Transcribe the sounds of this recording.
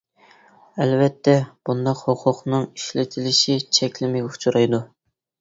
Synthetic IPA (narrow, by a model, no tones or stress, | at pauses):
ɛlvɛt̪ʰːɛb̥und̪ɑqhoqʰʊqnɨŋiʃlɪt̪ʰɪlɪʃit͡ʃʰɛkʲlɪmɪʊ̥t͡ʃʰuɾɑjd̪u